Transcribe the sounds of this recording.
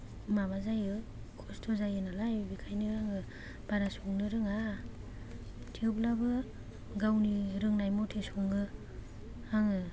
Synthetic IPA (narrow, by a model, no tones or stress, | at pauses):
mabazajɯ | kʰɔstʰɔzajɯnalajbikʰajnɯaŋɯ | b̥aɾasɔŋnɯɾɯŋa | tʰieblabɯ | ɡawniɾɯŋnajmɔtʰesɔŋɡɯ | aŋɯ